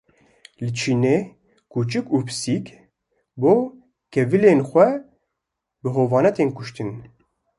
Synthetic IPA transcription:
lɨt͡ʃʰiːneː | kuːt͡ʃɨkuːpʰɨ̥sik | boː | kʰɛvɨleːnxʷɛ | bɨɦoːvɑːnɛt̪eːnkʊʃt̪ɨn

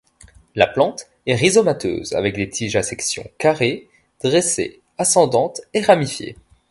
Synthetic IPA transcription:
laplɑ̃t̪ | ɛʁizɔmat̪ø̰ːza̰vɛk̚d̪et̪ʰiʒasɛksjɔ̰̃kaʁe | d̪̥ʁesḛ | asɑ̃d̪ɑ̃t̪eʁamifjḛ

